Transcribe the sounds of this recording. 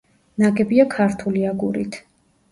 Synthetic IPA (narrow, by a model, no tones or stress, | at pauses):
naɡɛbiakʰaɾt̪ʰuliaɡuɾḭt̪ʰ